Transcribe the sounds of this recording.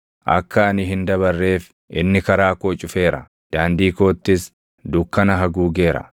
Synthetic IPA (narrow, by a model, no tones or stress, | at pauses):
ʔɐ̰kːɐːnɪɦɪnd̪ɐβɐrːe̞ːf | ʔɪ̰nːɪkɐɾaːkoːt͡ʃʼʊfe̞ːɾɐ̰ | d̪̥aːnd̪iːko̞ːt̪ːɪs | d̪ʊkːɐnɐɦɐɡuːɡe̞ːɾɐ̰